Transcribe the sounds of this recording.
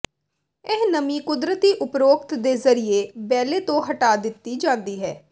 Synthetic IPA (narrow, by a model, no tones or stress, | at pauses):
ɪɦnəmiːkʊd̪ɾət̪iːʔʊpɾoːkt̪d̪eːzəɾɪeːbɛːleːt̪õːɦəʈaːd̪ɪt̪ːiːd͡ʒãːnd̪iːɦɛː